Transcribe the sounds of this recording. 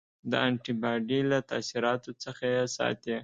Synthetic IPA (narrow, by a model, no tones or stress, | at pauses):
d̪əaɳʈibɑɖilat̪a̰siɾɑt̪ot͡səxajesɑ̰t̪e